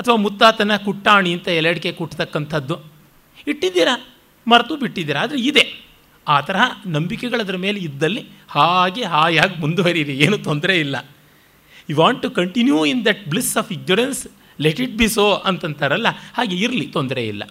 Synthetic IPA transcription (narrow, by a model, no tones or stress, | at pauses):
ɐt̪ʰɐʋaːmut̪ːaːt̪ɐnɐkuʈːaːɳiɐnt̪ɐɛlɐɽike̞kuʈːt̪ɐkːɐnt̪ʰɐd̪ːu | iʈːid̪iːɾɐ | mɐɾɐt̪ubiʈːid̪iːɾɐaːd̪ɐɾeid̪e̞ | aːt̪ɐɾɐɦɐnɐmbikɛɡɐɭɐd̪ɐɾɐmeːleid̪ːɐlːihaːɡe̞ɦaːjaːɡmund̪uʋɐɾiɾieːnut̪ond̪ɐɾe̞ilːɐ̰ | juʋaːɳʈːukɐɳʈinjuind̪ɐʈ̚blisaːfiɡ̚noɾens | leʈiʈ̚biːsoːʔɐnt̪ɐnt̪ʰɐɾɐlːɐhaːɡe̞iɾlit̪ond̪ɐɾḛḭlːɐ̰